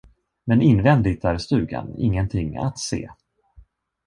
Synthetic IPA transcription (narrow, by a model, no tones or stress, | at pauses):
mɛnɪnvɛnd̪ɪɡ̚t̪æɾst̪ʉ̟ːɡa̰nɪ̰ŋːənt̪ʰɪŋːa̰t̪sḛː